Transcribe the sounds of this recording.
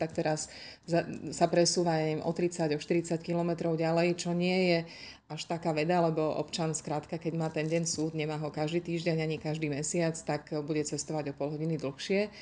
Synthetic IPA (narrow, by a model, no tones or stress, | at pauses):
t̪ak̚t̪ɛɾasasapɾɛsuːʋaɛmʔɔ̰t̪ɾit͡saɟɔʃt̪iɾit͡sackilɔmɛt̪ɾɔʊɟalɛjt͡ʃɔɲɪɛjɛ | aʃt̪akaːʋɛd̪alɛbɔʔɔ̰pt͡ʃanskɾaːt̪kakɛɟmaːt̪ɛnɟɛɲsuːd̪ɲɛmaːɦɔkaʒd̪iːt̪iːʒɟɛɲaɲikaʒd̪iːmɛsɪat͡st̪akbuɟɛt͡sɛst̪ɔʋaɟɔpɔlɦɔɟinid̪l̩xʃɪɛ